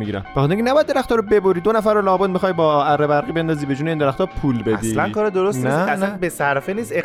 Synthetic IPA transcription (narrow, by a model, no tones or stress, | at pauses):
iɡiɾæ̰m̥exɔt̪eɾiŋkʰʲenæbɒjæd̪d̪eæxt̪ɒːɾobeboɾid̪onæfæɾolɒːbod̪mixɒːjbɒːærːebæɾɣiːbe̞nd̪ɒːziːbed͡ʒuːneind̪eɾæxt̪ɒːpʰuːlbed̪iːlænkʰɒːɾed̪oɾosniæsælænbesæɾfeniːst̪e